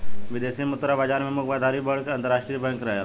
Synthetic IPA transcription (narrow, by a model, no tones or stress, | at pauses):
ʋɪd̪eːsimʊt̪ɾabaːd͡ʒaːɾmẽmʊkbad̪ʱaːɾibɐɽkɐ̃nt̪əɾaːʃʈɾijbə̃ŋkɾɐɦja